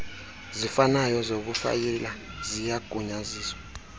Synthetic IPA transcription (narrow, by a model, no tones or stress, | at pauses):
zifanajɔzok̬ufa̰jɛlazijaɡ̥ʱuɲaziːswa